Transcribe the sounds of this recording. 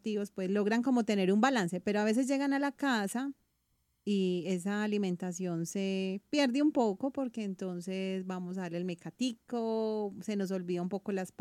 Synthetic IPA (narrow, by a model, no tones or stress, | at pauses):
t̪iβospwe̞slo̞ɣɾaŋko̞mo̞t̪e̞ne̞ɾumbalanse̞pe̞ɾoaβe̞s̬ezd͡ʒe̞ɣanalakasa | ies̬aːlimẽnt̪as̬jo̞nse̞pje̞ɾd̪eumpo̞ko̞po̞ɾke̞ːnt̪o̞nse̞sbamos̬aðaɾlelmekat̪ikose̞no̞s̬o̞lβiðaumpo̞kolasp